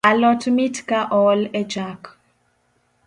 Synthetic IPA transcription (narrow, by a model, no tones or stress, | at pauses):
alɔtmitkaʔɔlɛd͡ʒak